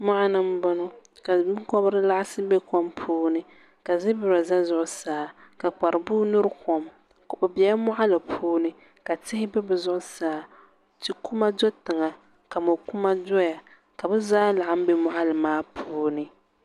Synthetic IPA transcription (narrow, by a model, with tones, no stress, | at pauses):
ma˦ʔa˦nɨ˦m˦bɔ˦nɔ˦ka˨bkɔ˦bɾɨ˦la˦ʔa˦sɨ˦bɛ˦kɔ˦mpʰuː˦nɨ˦ | ka˨zɪ˦bɪ˨ɾa˨za˦zʊ˦ʔʊ˨˦saː˨ka˨k͡pa˨ɾɨ˨buː˦nʊ˦ɾkɔ˨m | ka˨bɨ˨bi˨a˦mʊ˦ʔa˦la˨pʰuː˦nɨ˦ | ka˨tɪ˦hɪ˦bɛ˦bɨ˨zʊ˦ʔʊ˦saː˨ | tɨ˨ku˦ma˦do˦tɪ˨ŋa˨ | ka˨mo˨ku˦ma˦dɔ˦ja˨ | ka˨bɛ˦zaː˦la˨ʔa˦m̩˦bɛ˦mʊ˦ʔa˦lɨ˨maː˦pʰuː˦nɨ˨